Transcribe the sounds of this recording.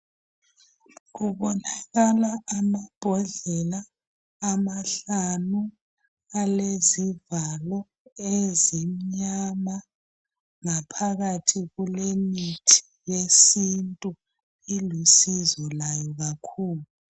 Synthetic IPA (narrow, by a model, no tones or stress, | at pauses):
ɣuɓɔnaɣalaʔːmab̥ʱɔɮɛlaː | maɬanu | alezivalɔ | ezim̩ɲama | ŋapʰaɣatʰiɣulemitʰi̥ | jesintʼu | ilisizɔlajɔɣakʰuːlu